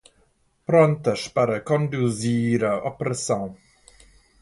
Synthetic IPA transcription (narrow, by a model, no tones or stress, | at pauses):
pɾõnt̪ɐʃpaɾɐkõnd̪uziɾɐʔopɾɐsɐ̃w̃